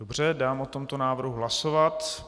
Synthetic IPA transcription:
obr̝ɛdaːmʔot̪o̞mt̪onaːvr̩ɦuɦlasovat̪

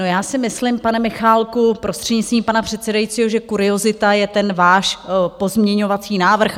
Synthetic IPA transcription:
no̞jaːsɪmɪslɪmpanɛmɪxaːlkupɾo̞st̪r̝̥ɛdɲɪt̪t͡sst̪viːmpanapr̝̥ɛt̪sɛdajitt͡siːɦo̞ʒɛkuɾɪo̞zɪt̪ajɛt̪ɛnvaːʃpo̞zmɲɛɲo̞vat͡siːnaːvr̩x

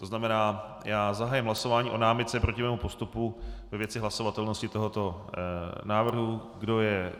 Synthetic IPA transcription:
t̪o̞znamɛnaː | jaːzaɦaːjɪmɦlaso̞vaːɲiːʔo̞naːmɪt̪t͡sɛpɾo̞cɪmɛːmupo̞st̪upuvɛvjɛt͡sɪɦlaso̞vat̪ɛlno̞scɪt̪o̞ɦo̞t̪o̞ | naːvr̩ɦuɡdo̞jɛ

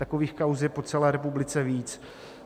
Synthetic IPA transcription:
t̪akoviːxkawzɛpo̞t͡sɛlɛːɾɛpublɪt͡sɛviːt͡s

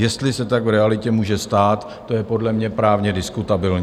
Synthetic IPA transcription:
jɛst̪lɪsɛt̪aɡvɾɛalɪcɛmuːʒɛst̪aːt̪ːo̞jɛpo̞dlɛmɲɛpɾaːvɲɛdɪskut̪abɪlɲ

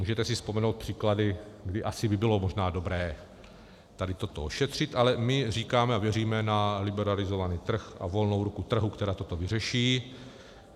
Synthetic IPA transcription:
muːʒɛt̪ɛsɪspo̞mɛnowt̪̚pr̝̥iːkladɪɡdɪʔasɪbɪbɪlo̞mo̞ʒnaːdo̞bɾɛː | t̪adɪt̪o̞t̪ooʃɛt̪r̝̥ɪt̪ʔalɛmɪr̝iːkaːmɛavjɛriːmɛnalɪbɛɾalɪzo̞vaniːt̪r̩xa̰vo̞lnowɾukut̪r̩ɦukt̪ɛɾaːt̪ot̪o̞vɪrɛʃiː

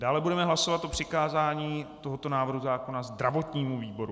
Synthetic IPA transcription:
daːlɛbudɛmɛɦlaso̞vat̪ʔo̞pr̝̥ɪkaːzaːɲiːt̪o̞ɦot̪onaːvr̩ɦuzaːko̞nazd̪ɾavo̞t̪ɲiːmuviːbo̞ɾu

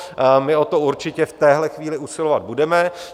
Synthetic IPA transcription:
mɪo̞t̪o̞uɾt͡ʃɪcɛft̪ɛːɦlɛxviːlɪusɪlovad̪̚budɛmɛ

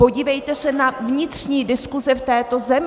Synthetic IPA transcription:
po̞ɟiːvɛjt̪ɛsɛnavɲɪt̪r̥ɲiːdɪskuzɛft̪ɛːt̪o̞zɛmɪ

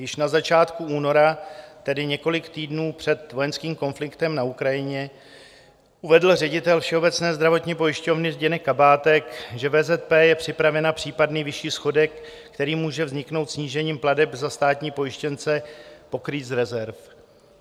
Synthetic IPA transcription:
jɪʃnazat͡ʃaːt̪kuuːno̞ɾat̪ɛdɪɲɛko̞lɪkt̪iːdnuːpr̝̥ɛt̪vo̞jɛnskiːmko̞nflɪkt̪ɛmnaukɾajɪɲɛ | ʔuvɛdl̩rɛɟɪt̪ɛlfʃɛo̞bɛt͡snɛːzd̪ɾavo̞t̪ɲiːpo̞jɪʃco̞vnɪzɟɛnɛkːabaːt̪ɛkʒɛvɛːzɛt̪̚pɛːjɛpr̝̥ɪpɾavɛnapr̝̥iːpadniːvɪʃiːsxo̞dɛkː | t̪ɛɾiːmuːʒɛvzɲɪkno̞wt̪sɲiːʒɛɲiːmpladɛpzast̪aːt̪ɲiːpo̞jɪʃcɛnt͡sɛpo̞kɾiːzɾɛzɛɾf

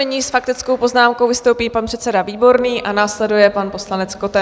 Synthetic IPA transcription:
ɛɲiːsfak̚t̪ɪt͡sko̞wpo̞znaːmkowvɪst̪owpiːpanpr̥ɛt̪t͡sɛdaviːbo̞ɾniːʔanaːslɛdujɛpanpo̞slanɛt͡skot̪ɛ

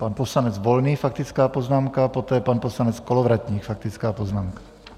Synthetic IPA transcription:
panposlanɛd͡zvolniːfak̚t̪ɪt͡skaːpoznaːmkapot̪ɛːpanposlanɛt͡skolovɾat̪ɲiːxfak̚t̪ɪt͡skaːpoznaːmkḁ

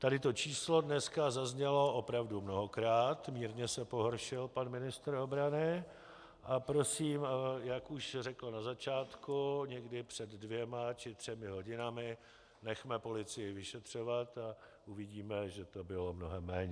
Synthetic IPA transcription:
t̪adɪt̪o̞t͡ʃiːslo̞dnɛskazazɲɛlo̞ʔopɾavdumno̞ɦokɾaːt̪miːɾɲɛsɛpo̞ɦoɾʃɪlpanmɪnɪst̪ɾo̞bɾanɪ | ʔapɾo̞siːmjakuʃrɛkl̩nazat͡ʃaːt̪kuɲɛɡdɪpr̝̥ɛdːvjɛmat͡ʃɪt̪r̝̥ɛmɪɦo̞ɟɪnamɪ | nɛxmɛpo̞lɪt͡sɪjɪvɪʃɛt̪r̝̥o̞vat̪a | ʔuvɪɟiːmɛʒɛt̪o̞bɪlo̞mno̞ɦɛmːɛːɲɛ

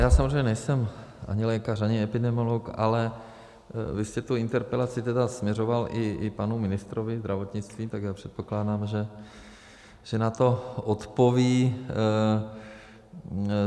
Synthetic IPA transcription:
jaːsamozrejɲɛnɛjsɛmʔa̰ɲɪlɛːkaraɲɪɛpɪdɛmoloka̰lɛ | vɪscɛt̪uɪnt̪ɛɾpɛlat͡sɪt̪ɛdasmɲɛro̞valʔɪpanumɪnɪst̪ɾovɪzd̪ɾʔavot̪ɲɪt͡st̪viːt̪aɡjaːpr̝̥ɛt̪̚po̞klaːdaːmʒɛ | ʒ̥ɛnat̪o̞ot̪poviː

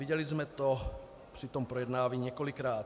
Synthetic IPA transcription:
iɟɛlizmɛt̪ɔ | pɾit̪ɔmpɾɔjɛd̪naːʋiɲɪɛkɔlikɾaːt̪

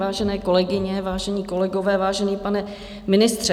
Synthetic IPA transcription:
aːʒɛnɛːko̞lɛɡɪɲɛvaːʒɛɲiːko̞lɛɡovɛːvaːʒɛniːpanɛ | mɪnɪst̪r̝̥ɛ

